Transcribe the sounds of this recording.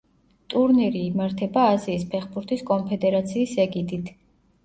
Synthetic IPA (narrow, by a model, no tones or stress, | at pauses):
t̪ʼuɾniɾiːmaɾt̪ʰɛbaːziːspʰɛχbuɾt̪ʰiskʼɔnpʰɛd̪ɛɾat̪sʰiːsɛɡid̪it̪ʰ